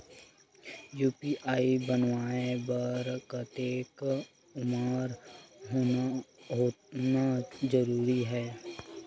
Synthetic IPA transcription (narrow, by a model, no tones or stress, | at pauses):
juːpiʔaːibənʋaːebəɾkət̪eːk | ʊməɾɦoːnaɦoːnazəɾuːɾiɦɛː